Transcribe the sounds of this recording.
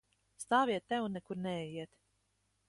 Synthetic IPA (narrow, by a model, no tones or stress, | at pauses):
st̪aːvʲiɛt̪ʲːɛwnːɛkuɾnɛɛjiɛt̪